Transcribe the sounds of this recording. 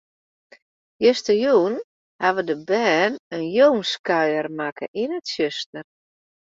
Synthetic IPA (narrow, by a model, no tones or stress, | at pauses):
jøstəjuːn | haʋədəbɛːnənjoːnskœɥərmakə̰ʔinətsjøstər